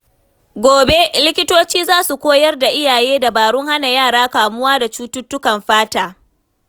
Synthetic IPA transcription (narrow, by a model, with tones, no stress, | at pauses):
ɡʷoː˨be˦lɪ˦kʲɪ˦toː˦t͡ʃiː˦zaː˦su˨kʷoː˦jɐ˦rda˨ʔɪ˦jaː˨jeː˦da˨baː˨ɽʊ˦ŋha˦na˨jaː˦˨ɽaː˦kaː˨mʊ˦waː˦da˨t͡ʃuː˦tʊ˦tːʊ˦kɐ˨mɸaː˦taː˨